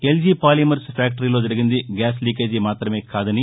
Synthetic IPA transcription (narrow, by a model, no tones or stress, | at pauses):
eld͡ʒiːpaːlimɐɾspʰjaːk̚ʈɐɾiːlo̞ːd͡ʒɐɾiɡind̪iɡaːsliːkeːd͡ʒimaːt̪ɾɐme̞ːkaːd̪ɐni